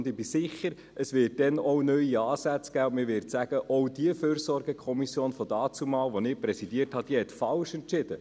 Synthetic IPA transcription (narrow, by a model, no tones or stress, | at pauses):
ndɪbisɪχːəɾ | ʔəsʋɪːrt̚d̥ɛnɔʊnœʏiɑːsæt͡skæːʊ̃ntmɪvʋɪɾtsæɡ̥əʔɔʊd̥iəføːrsɔrɡəkʰχɔmisjoːnfɔdɑːt͡sumɑːlʋonɪpɾɛsidiərthɑd̥iəɛt̪fɑlʃɛntt͡ʃɪdə